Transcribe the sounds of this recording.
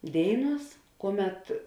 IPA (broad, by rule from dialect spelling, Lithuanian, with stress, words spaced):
ˈdʲeːɪˌnuɔs ˈkuɔˌmʲɛt